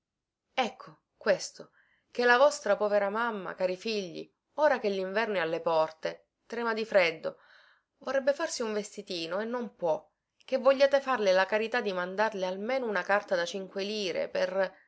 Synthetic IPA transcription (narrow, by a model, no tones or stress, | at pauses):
ɛkʰːo | kwest̪o | k̟elːavɔst̪ɾapɔːveɾamamːa̰kaːɾifiʎːḭ | oːɾak̟eʎːiɱvɛrnialːepɔrt̪e | t̪ɾɛːmad̪ifɾed̪ːo̰ | vorrɛbːefarsiuɱvest̪it̪iːnoenːompwɔ | k̟evːoʎːaːt̪efarlelakaɾit̪ad̪ːimand̪arlealmeːnounakart̪ad̪at͡ʃiŋkweliːɾḛper